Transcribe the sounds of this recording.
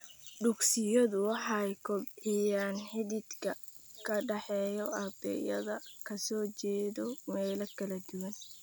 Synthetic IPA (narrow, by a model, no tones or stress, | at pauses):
ɖʊɡsɪjɐðʊwɑħɑjkʰɔbijaːnħɪðɪd̪kʰɐ | kʰɐɖɑħɛːjɔɐbɛ̰jɐðɐkʰɐsɔːt͡ʃɛːðɔmɛːlɐkʰɐlɐd̪ʊwɐn